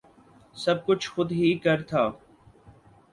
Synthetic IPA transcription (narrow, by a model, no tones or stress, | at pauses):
sɐb̚kʊt͡ʃʰxʊd̪ɦikɐɾt̪ʰaː